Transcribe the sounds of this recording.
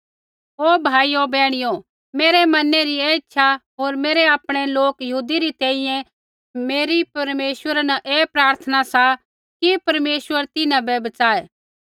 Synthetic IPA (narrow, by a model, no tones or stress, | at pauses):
oːbʱaːiobɛːɽ̃ɪjo | meːɾɛmɐneɾieːɪtːʃʰaɦoːɾmeːɾeaːpɽ̃eloːkjɐɦuːd̪iɾit̪ɛ̃ːĩjɛ̃ | meːɾipɐɾmeːswəɾanaʔeːpɾaːɾt̪ʰənasa | kipɐɾmeːswəɾt̪ɪnãbɛbɐt͡ʃaːeː